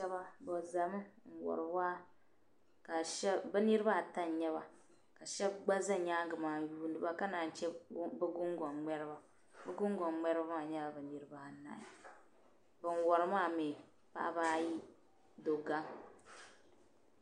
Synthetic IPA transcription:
ɛ˦ba˦bo˨za˨mɨ˦ŋ̩˨wɔ̰˨ɾɨ˨ba˦ | ka˨ʃbɛ˦nɨ˦ɾɨ˦ba˦˨ta˦n˨ɲɛ˦βa̰˨ | ka˨ʃɛ˦b̚ɡ͡ba˦za˦ɲaː˦ŋ˦ɡɨ˨maː˨juː˦nɨ˦ba˦ka˦na˨n̩˨t͡ʃɛ˦bɛ˦ɡʊ˦ŋɡɔ˨nŋ͡mɛ˦ɾɨ˦ba˦ | bɛ˦ɡʊ˦ŋɡɔ˨ŋ͡mɛ˦ɾɨ˦ba˦ma˦˨ɲɛ˦ba˨bɨ˨nɨ˦ɾɨ˦ba˦˨na̰˨i˨ | bɨ˨n˨˦wɔ˨ɾɨ˦maː˦˨me˨ | pa̰˦ʔbaː˦ji˦ | do˨ɡa˦ŋ

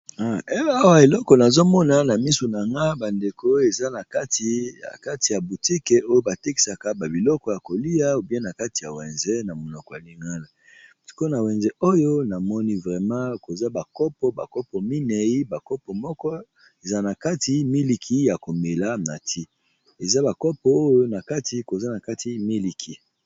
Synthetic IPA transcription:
a˦˨e˦a˦wa˨e˨lɔ˦kɔ˨na˨zo˦mɔ˦na˨˦na˨mi˦su˨na˨ŋɡa˦ba˨nde˨ko˦e˨za˦na˨ka˦ti˨a̰˨ka˦ti˨ja˨bu˨ti˦ke˨˦o˦jo˦ba˨te˦ki̥˨sa˨ka˦ba˨bi˨lɔ˦kɔ˨ja˨ko˨li˦ja˦o˦bjɛ̃˦na˨ka˦ti˨ja˨wɛ˨nze˦na˨mo˨nɔ˨kɔ˨a˨li˦ŋɡa˦la˨ | si̥˨ko˦na˨wɛ˨nzɛ˦o˦jo˦na˨mɔ˦ni˦vʁɛ˨mɑ̃˦ko˨za˦ba˨kɔ˦pɔ˦ba̰˨kɔ˦pɔ˨mi˦nɛ˨i˦ba˨kɔ˦pɔ˨mɔ˦kɔ˦ | e˨za˦na˨ka˦ti˨mi˦li˨kʰi˦ja˨ko˨me˨la˦na˨tʰi˦ | e˨za˦ba˨kɔ˦pɔ˦o˦jo˦na˨ka˦tʰi˨ko˨za˦na˨ka˦tʰi˦mi˦li˨kʰi˨

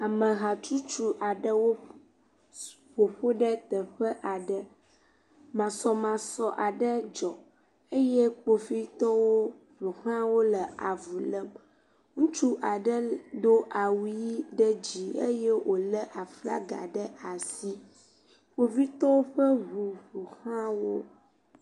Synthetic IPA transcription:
a˨mə̃˨ɣa˨t͡ʃu˦t͡ʃu˦ʔa˨ɖə˦wo˦ | ɸo˨ɸo˦ɖə˦t̪ə˨ɸə˦ʔa˨ɖə˦ | mã˨sɔ˨mã˨sɔ˨ʔa˨ɖə˦d͡ʒɔ˨ | ə˦je˦k͡po˨fi˦t̪ɔ˦wo˦ | ɸo˨hã˦wo˦lə˨a˨vu˨lə˦m | ŋũ˦t͡ʃu˦ʔa˨ɖə˦d̪o˦ʔa˨wu˦ji˦ɖə˦d͡ʑi˦ḛ˦je˦wʔo˨lə˦ʔa˨fla̰˦ɡa̰˨ɖə˦a˨si˦ | ɸo˨fi˦t̪ɔ˦wo˦ɸə˦βu˨ɸu˨hã˦wo˦

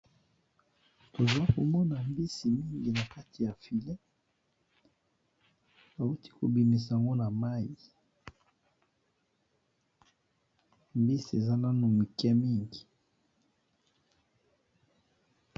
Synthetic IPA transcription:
to˨zwa˦ko˨mɔ˦na˨mbi˦si˨mi˦ŋɡi˨na˨ka˦ti˨ja˨fi˨lɛ˦ | a˨u˦ti̥˦ko˨bi˨mi˨s̬a˨a˨ŋɡo˦na˨ma˦ji˨ | mbi˦si˨e˨za˦na˦nu˨mi˨kɛ˦mi˦ŋɡi˨

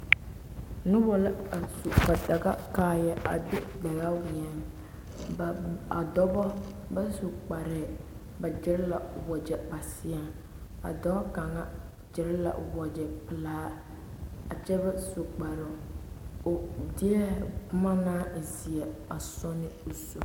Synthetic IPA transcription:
nɪ˦wɔ˨la˦a˨su˨ba˨da˨ɡa̰˦kaː˨jɛ˦ʔa̰˨bɪ˦ɡ͡ba˨ɡa˦wi˨ɛ˨ | a̰˨dɔ˦bɔ˦ | ba˦so˨k͡pa˨ɾɪ˨ | ba˨d͡ʒɪ˦ɾɪ˦la̰˨wɔ˨d͡ʒɛ˨ba˨sɪ˦ɛ˨ | a̰˨dɔ˦bɔ˦ka˨ŋa˦ | d͡ʒɪ˨ɾɪ˦la̰˨wɔ˨d͡ʒɛ˨pɪ˨laː˦ | a˨t͡ʃɛ˦ba˦so˨k͡pa˨ɾo˨dɪ˦ɛ˦bʊ˦ma˦naː˦˨zi˨ɛ˨a˨sɔ˦nɪ˦o˨su˨

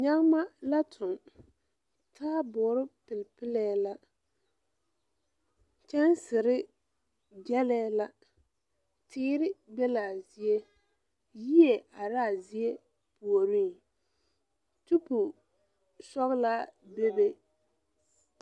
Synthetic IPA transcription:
ɲa˦ŋ˦ma˦la˦tʰʊ˨n | tʰaː˦bʊː˨˦ɾɪ˦pɪ˨lpɪ˦lɛː˦la˦ | t͡ʃɛ˦nsɪ˨ɾɪ˦ | d͡ʒɛ˦lɛː˦la˦ | tʰɪː˦ɾɪ˦bɛ˦laː˨zi˨e˦ | ji˦e˨ʔa˨ɾaː˦˨zi˦e˦ | pu˨o˨ɾi˦ŋ | tu˦pʊ˨ | sɔ˦ɣlaː˦be˦be˦

